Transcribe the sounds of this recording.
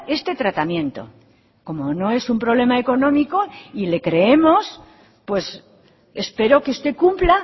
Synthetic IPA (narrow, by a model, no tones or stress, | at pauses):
e̞st̪e̞t̪ɾat̪amjẽ̞nt̪o̞̰ | ko̞mo̞no̞e̞sumpɾo̞β̞le̞mae̞ko̞nõ̞miko̞ile̞kɾe̞emo̞s | pwe̞s | espe̞ɾo̞keust̪e̞kumpla